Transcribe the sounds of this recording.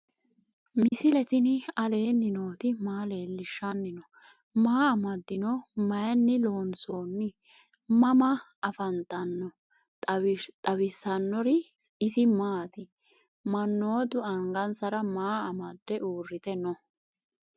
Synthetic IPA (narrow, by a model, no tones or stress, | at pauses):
mɪsɪlɛt̪ɪnɪɐle̞ːnːɪno̞ːt̪ɪmaːle̞ːlːɪʃːɐnːɪnɔ | maːɐmɐd̪ːɪnɔmɐjɐnːɪlo̞ːnso̞ːnːɪ | mɐmɐ | ɐfɐnt̪ɐnːɔ | t̪ʼɐbɪsːɐnːɔɾɪ | ɪsɪmaːt̪ɪ | mɐnːo̞ːd̪ʊɐŋɡɐnsɐɾɐmaːɐmɐd̪ːɛʔuːrːɪt̪ɛnɔ